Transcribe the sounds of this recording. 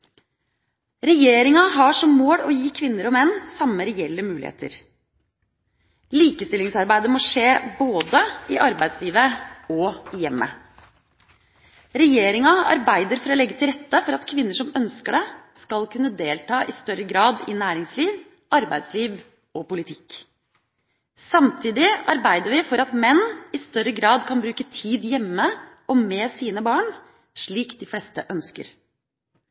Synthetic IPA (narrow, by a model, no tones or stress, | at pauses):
ɾɛjeːɾɪŋɑɦɑʂɔmːoːɽɔjiːkʰʋɪnːəɾɔmɛnːsɑmːəɾɛɛlːəmʉːlɪ̰hḛːt̪ə̰ɾ | liːkəst̪ɪlɪŋsɑɾbæɪd̪əmoːʂeːboːd̪əɪʔɑɾbæɪd̪sliːʋəɔɪjɛmːə̰ | ɾɛjeːɾɪŋɑɑ̰ɾbæɪd̪əɾfɔɾɔlɛɡːət̪ʰɪlɾɛt̪ːəfɔɾɑt̪kʰʋɪnːəʂɔmœnskəɖɛskɑlkʉnːəd̪eːlt̪ʰɑːʔɪst̪œɾəɡɾɑːd̪ɪ̰næːɾɪŋsliːʋ | ʔɑɾbæɪd̪sliːʋ | ɔpʊlɪt̪ʰɪk | sɑmt̪ʰiːd̪ɪɑɾbæɪd̪əɾʋɪfɔɾɑt̪mɛnːɪst̪œɾəɡɾɑːd̪kʰɑnbɾʉːkət̪ʰiːd̪jɛmːəʔɔmɛːsiːnəbɑːɳ | ʂɭiːkd̪ɪflɛst̪əʔœnskə̰ɾ